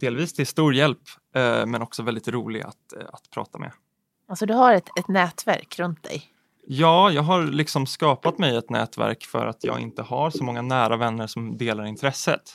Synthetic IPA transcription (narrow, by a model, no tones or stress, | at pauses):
d̪̥eːlviːst̪ʰɪst̪uːɾjɛlpː | mɛnɔksɔvɛld̪ɪt̪ɾuːlɪ̰ɡa̰t̪at̪pʰɾɑ̰ːt̪amʔɛ̰ | alsɔd̪ɵhaɾɛt̪ɛt̪nɛːt̪væ̰ɾkɾɵnt̪̚d̪ɛ̰j | jɑːjɑːɡɦaɾlɪksɔmskɑːpat̪mɛjɛt̪nɛ̰ːt̪væ̰ɾkfœ̰ɾʔat̪ʰjɑ̰ːɡɪ̰nt̪əhaɾsɔmɔŋːanæːɾavɛnːəɾʂɔmd̪eːlaɾɪnt̪ʰɾɛsːə̰t̪